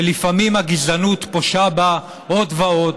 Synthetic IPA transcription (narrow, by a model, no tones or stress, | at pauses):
lifamimaɡizanut̪poʃaba | ʔo̞d̪vao̞d